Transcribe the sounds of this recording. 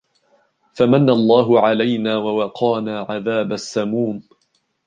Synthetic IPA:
famanːaʔlˤːɑːɦʊʕalajnaːwawɑqʰɑːnaːʕaðaːbasːamuːn

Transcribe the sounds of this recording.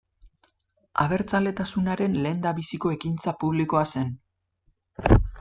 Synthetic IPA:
a̰βe̞ɾt͡sald̪e̞t̪asunaɾe̞nle̞ːnd̪aβisiko̞e̞kint͡sapuβliko̞ase̞n

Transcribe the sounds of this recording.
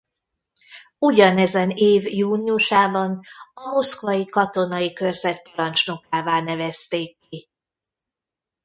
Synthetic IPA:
uɟɒnɛzɛneːvjuːniuʃaːbɒnɒmo̞skvɒjikɒt̪o̞nɒjikørzɛt̪̚pɒɾɒnt͡ʃno̞kaːvaːnɛvɛst̪eːkːi

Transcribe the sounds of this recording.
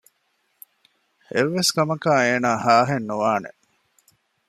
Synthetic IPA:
eʋːeskɐmɐkaːeːnaːhaːɦenːuʋaːnḛ

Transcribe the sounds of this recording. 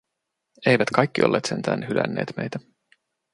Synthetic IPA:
e̞jʋæt̪kɑjkːiolːeːt̪se̞nt̪ʰæːnhylæ̰nːḛːt̪me̞jt̪æ

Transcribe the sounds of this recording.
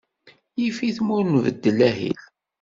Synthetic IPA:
jifiθmʊɾnvə̰d̪ːəlæhḭl

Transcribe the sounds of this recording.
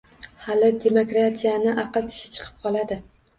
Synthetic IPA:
halɪd̪e̞mokɾat̪ʰijanɪʔɑqɨlˠt̪ʰɪ̥ʃɪ̥t͡ʃʰɨ̥qʰɨ̥p̚qʰɒlˠad̪ɪ

